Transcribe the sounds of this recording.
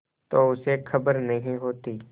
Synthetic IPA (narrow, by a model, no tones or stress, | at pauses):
t̪oːʊsekʰɐbəɾnɐɦĩɦoːt̪iː